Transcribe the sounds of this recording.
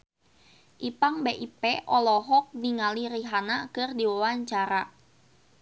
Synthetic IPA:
ʔipaŋbeʔipɛʔɔlɔɦɔk̚niŋaliɾiɦanakɨrdiwawaɲt͡ʃaɾa

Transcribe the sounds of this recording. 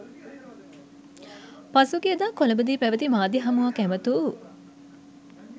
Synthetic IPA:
pasukeəd̪aːkoləbəd̪iːpæʋət̪imaːd̪iɦɐmuʋakæmət̪u

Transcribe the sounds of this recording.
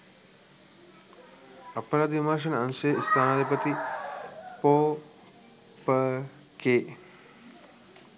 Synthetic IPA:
ɐpɾaːd̪ʱimaːʃ̬ɐnɐnsest̪ʰaːnaːd̪ʱipət̪i | poː | pə | keː

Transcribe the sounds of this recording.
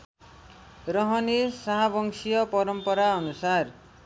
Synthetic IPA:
ɾʌɦʌnisaɦabʌŋsijʌpʌɾʌmpʌɾaʌnusar

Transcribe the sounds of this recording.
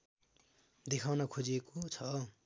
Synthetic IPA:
d̪ekʰawnʌkʰod͡ziekot͡sʰʌ

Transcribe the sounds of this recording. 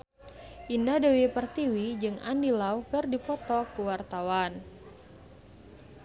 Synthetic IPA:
ʔindahdewipərt̪iwid͡ʒɨŋa̰ndilaukɨrdipɔt̪ɔkuwart̪awan

